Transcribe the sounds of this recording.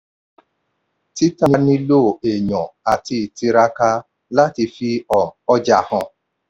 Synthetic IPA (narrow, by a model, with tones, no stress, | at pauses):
ti˦ta˦ni˦ni˦lo˦˨e˨ɲɔ̃˨a˨ti˧˨ti˧ɾa˦ka˧ | la˦ti˧fi˧˦ɔ˨ɔ˦d͡ʒa˨hɔ̃˨